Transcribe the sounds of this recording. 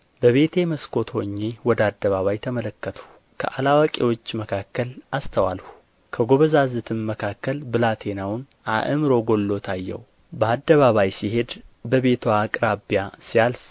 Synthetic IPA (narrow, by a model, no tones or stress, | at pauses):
bəβe̞t̪ʰe̞məskʰo̞t̪ʰho̞ɲːe̞wɔd̪ad̪ːəβaβajt̪ʰəmələkːət̪ʰu̥ | kʰə̰ʔalawakʼewo̞t͡ʃːməkʰakːəlʔast̪ʰəwa̰lhu | kʰəɡo̞βəzazɨt̪ʰɨnməkʰakːəlbɨlat̪ʰe̞nawn | ʔa̰ʔɨmɨɾo̞ɡo̞lːo̞t̪ʰajːɛ̰w | bəad̪ːəβaβajsihe̞d̪bəβe̞t̪ʰwaːkʼɾabijasijalf